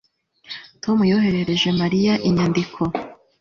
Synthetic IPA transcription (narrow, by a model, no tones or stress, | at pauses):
tʰo̞mujoɦe̞ɾe̞ɾe̞ʒe̞maɾijaʔiɲandikʰo